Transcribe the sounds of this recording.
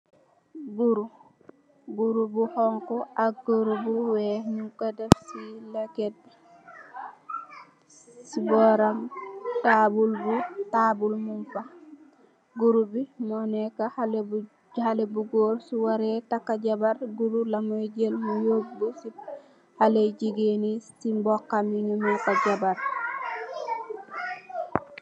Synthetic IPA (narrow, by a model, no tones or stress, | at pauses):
buɾu | buɾubuhɔŋkɔʔaɡuɾubuwɛɲuŋkadɛfsilakɛt̚b | sibɔɾamtabulbutabulmunfa | ɡuɾubimɔnɛkahalb | halebuɡoːɾsuwaɾɛtakːaɟabaɾɡuɾulamojɟelmujoɡ̚busi | haleɟiɡenisimbɔkːamiɲumakaɟabaɾ